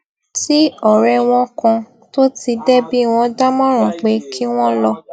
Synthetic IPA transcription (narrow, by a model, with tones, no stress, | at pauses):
ti˦ɔ˨ɾɛ˧w̃ɔ̃˦kã˧ | to˦ti˧dɛ˦bi˦˨w̃ɔ̃˧˦da˦mɔ̃˦ɾ̃ã˨k͡pe˨˦kʰi˦w̃ɔ̃˦lɔ˧